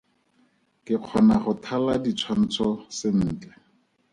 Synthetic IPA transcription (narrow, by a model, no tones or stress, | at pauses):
kɪq͡χʰɔnaχʊtʰaladit͡sʰwan̩t͡sʰɔsɪn̩ːt͡ɬɛ̥